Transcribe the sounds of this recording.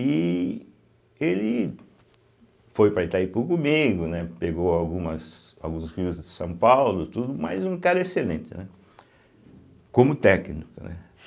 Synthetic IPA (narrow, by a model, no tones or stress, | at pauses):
ɪ | elɪ | fojpɾɐet̪aipʊɾkõmiɡʊnɛpeɡowawɡũmɐs | a̰wɡũsʁiʊzd̪ɪsɐ̃w̃pawlʊt̪ud̪ʊmɐ̰zũkaɾɐeselẽnt̪ɪnɛ | kõmʊt̪ɛknikʊ̰nɛ̰